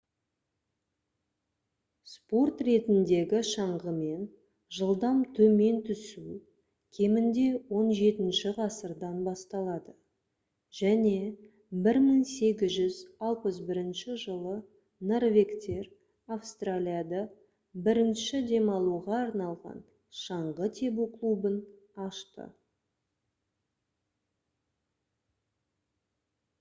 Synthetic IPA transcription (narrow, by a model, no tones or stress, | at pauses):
spo̞rt̪re̞t̪ɪnd̪e̞ɡʲɪʃɑɴʁəme̞n | ʒəlˠd̪ɑmt̪ʰɵme̞nt̪ʰʏsu | kʲʰe̞mɪnd̪e̞wo̞nʒe̞t̪ɪnʃɪʁɑsəɾd̪ɑnbɑst̪ɑlˠɑd̪ə | ʒ̥æne̞ | bɪɾməŋse̞ɡʲɪzʒʏzɑlˠpəsbɪɾɪnʃɪʒəlˠə | no̞rvʲe̞kt̪e̞r | afst̪ralʲijad̪ɑ | bɪɾɪnʃɪd̪e̞mɑlˠuʁɑːɾnɑlˠʁɑ̰n | ʃɑɴʁət̪ʰe̞buklˠubən | ɑʃt̪ə̰